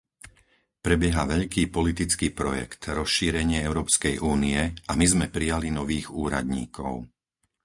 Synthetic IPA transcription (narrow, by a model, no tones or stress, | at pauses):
pɾɛbjɛɦaʋɛʎkiːpɔlit̪it͡skiːpɾɔjɛ̰kt̪ɾɔsʃiːɾɛɲɪɛɛʊɾɔːpskɛjʔuːniɛamizmɛpɾijalinɔʋiːɣuːɾa̰d̪ɲḭːkɔ̰ʊ